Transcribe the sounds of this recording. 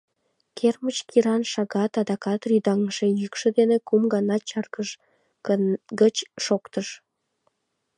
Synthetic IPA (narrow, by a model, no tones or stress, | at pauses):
kʰermət͡ɕkiɾɑnʃɑɣɑt̪ɑd̪ɑkɑt̪ryd̪ɑŋʒejykʃĕd̪enekumɡɑnɑt͡ɕɑrkəʃ | ɡət͡ɕːokt̪əʃ